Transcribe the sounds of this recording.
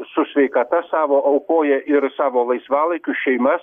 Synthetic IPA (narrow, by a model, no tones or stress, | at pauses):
sʊsʲʋʲɛɪkɐt̪ɐsɑːʋoːʔɐʊkoːjɛʔɪɾsɑːʋoːlˠɐɪsʋɑːlˠɐɪkʲʊʃʲɛɪmɐs